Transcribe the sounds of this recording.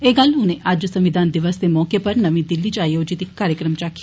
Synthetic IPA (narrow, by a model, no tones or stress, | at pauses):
eːɡəlɦʊnẽʔad͡ʒsɐ̃mʋɪd̪aːnd̪ɪʋəsd̪emɔːkepɐɾnɐʋĩd̪ɪlːit͡ʃaːjoːd͡ʒit̪ɪkːaːɾjəkɾəmt͡ʃaːkʰi